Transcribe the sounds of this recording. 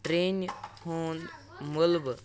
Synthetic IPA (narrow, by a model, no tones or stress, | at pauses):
ʈɾenhoːn | məlb